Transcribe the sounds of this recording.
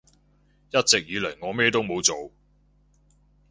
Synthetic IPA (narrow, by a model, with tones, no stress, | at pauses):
jɐ˥t̚t͡sɪ˨k̚jyː˨˧lɐ˨˩jŋɔː˨˧mɛː˥t̪o˥wmo˨˧wt͡so˨w